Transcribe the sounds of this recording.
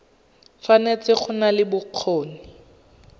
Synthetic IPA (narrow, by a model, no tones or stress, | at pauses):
fanet͡sɪχʊnalɪbʊq͡χʰoːnɪ